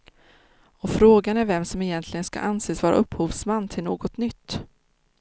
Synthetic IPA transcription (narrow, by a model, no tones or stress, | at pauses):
ɔfɾoːɡanæɾvɛmsɔmɪjɛnt̪ʰlɪɡənska̰ʔanseːsvɑːɾa̰ʔɵpːhuːvsmanːt̪ʰɪlnoːɡɔt̪nʏt̪ː